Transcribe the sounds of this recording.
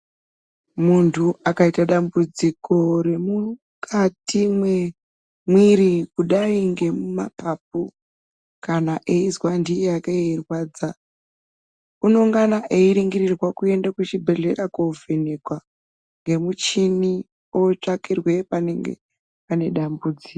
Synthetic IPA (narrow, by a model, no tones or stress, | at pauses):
muntʰuakaitaɗambud͡ziko̞ɾe̞mu | kʰatimwe | mwiɾikuɗaiŋɡe̞muma̰pap̚u | kanaʔeizwandijakeeirwaːd͡za | uno̞ŋɡanaʔeiɾiŋɡirirwakue̞ndakut͡ʃibʱe̞ɮeɾakovenekwa | ŋɡe̞mut͡ʃini | ot͡ʂakirwe̞paneŋɡḛ | pane̞ɗambud͡ziːko